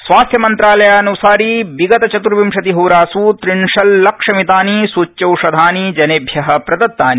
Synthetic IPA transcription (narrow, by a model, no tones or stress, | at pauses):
sʋaːsjɐmɐnt̪ɾaːlɐjaːɐnusaːɾibiɡɐt̪ɐt͡ʃɐt̪uɾʋimʂɐt̪iɦuːɾaːsut̪ɾiɳʂɐlːɐkʂɐmit̪aːnisut͡ʃːɐwʂɐd̪ʱaːnid͡ʒɐneːbʱjɐɦɐ̆pɾɐd̪ɐt̪ːaːni